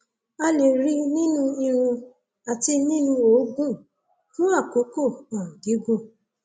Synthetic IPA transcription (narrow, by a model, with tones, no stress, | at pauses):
a˧le˨ɾi˧˦nĩ˦nũ˦i˧ɾ̃ũ˧ | a˨ti˧nĩ˦nũ˧o˨˦ɡũ˦˨ | nũ˦a˦˨ko˨˦ko˦˨ã˨ɡi˨˦ɡo˦˨